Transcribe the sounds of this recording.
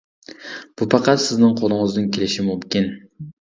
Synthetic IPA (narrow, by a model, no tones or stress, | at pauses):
b̥upʰɑqʰɑt̪sɪznɪŋqʰolˠʊŋɨzd̪ɨnkʲʰelɪʃimumkʲin